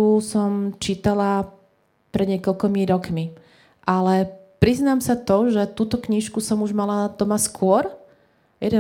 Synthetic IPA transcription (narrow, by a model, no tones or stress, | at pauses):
usɔmt͡ʃiːt̪ala | pɾɛd̪ɲɪɛkɔʎkɔmiɾɔkmi | ʔalɛpɾiznaːmsat̪ɔʒɛt̪uːt̪ɔkɲiʃkusɔmuʒmalat̪ɔmaskʊɔɾ | jɛd̪ɛ